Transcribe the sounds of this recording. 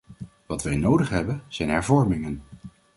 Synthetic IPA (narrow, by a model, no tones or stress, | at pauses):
ʋɑtʋɛjnowdəχɦɛbənz̥ɛjnɦɛɹvɔɹmɪŋən